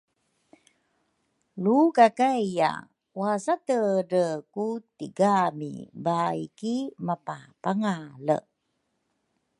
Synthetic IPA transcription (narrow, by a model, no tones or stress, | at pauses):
lukakajja̰ | wasatəɾəkutiɡamḭbaikimapapaŋalə̰